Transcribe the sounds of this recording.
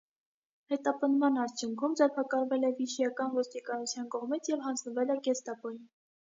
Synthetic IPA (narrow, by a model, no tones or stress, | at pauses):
hɛt̪ɑpənd̪mɑnɑɾt͡sʰjuŋkʰumd͡zɛɾpʰɑkɑɾvɛlɛviʃijɑkɑnvɔst̪ikɑnut͡sʰjɑnkɔʁmit͡sʰjɛvhɑnd͡znəvɛlɛɡɛst̪ɑpɔjin